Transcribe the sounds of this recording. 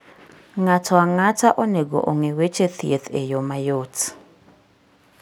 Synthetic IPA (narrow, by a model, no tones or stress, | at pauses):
ŋatʰɔaŋataʔoneɡo̰ʔoŋewet͡ʃet̪ʰijet̪ʰḛjomajot